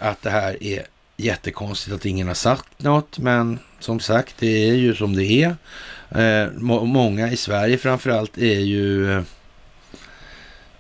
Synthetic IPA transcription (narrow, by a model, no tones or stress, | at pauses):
at̪̚d̪ɛɦæːɾæ̰ɾ | jɛt̪ːəkʰɔnst̪ɪt̪at̪ɪŋːənhaʂakt̪nɔt̪ːmɛn | sɔmsakt̪̚d̪ɛæɾjɵsɔmd̪ɛæɾ | mɔŋːaɪsvæɾjəfɾamfœɾalt̪ʰæjɵ